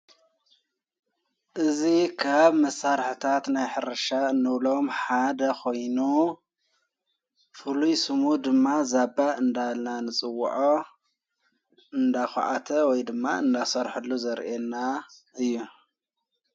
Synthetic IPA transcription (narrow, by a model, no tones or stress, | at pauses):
ʔɨzikʰaβmɐsːaɾħt̪ʰat̪najħɨɾɐʃaɨnːɨβlo̞mħad̪ɐkʰo̞jnu | fɨlujsɨmud̪ɨmːazabaɨnd̪alnanɨt͡sʼɨwːʊ̰ʕo | ɨnd̪axṵʕa̰t̪ʰɐwɔjd̪ɨmːa̰ɨnd̪asɐɾħɨlːuzɐɾʔenːaʔɨjːu